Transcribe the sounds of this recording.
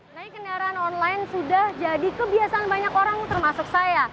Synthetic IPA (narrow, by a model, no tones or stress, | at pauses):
naɪkːəndaɾaːnɔnlaɪnsudahd͡ʒadikəbiasaanbaɲakoɾaŋt̪ərmasʊksaja